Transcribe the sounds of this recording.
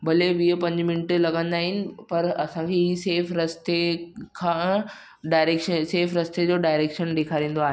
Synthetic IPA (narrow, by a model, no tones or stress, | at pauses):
bɐleʋiəpɐ̃ɲd͡ʑmɪnɪʈlɐɡə̃nd̪aːɦɪnɪ̆pɐɾɐsãkʰeiseːfɾɐst̪ekʰãː | ɖaːɪɾeːkʃəseːfɾɐst̪ed͡ʑoːɖaːɪɾeːkʃənɗeːkʰaːɾĩːn̆d̪oaːɦe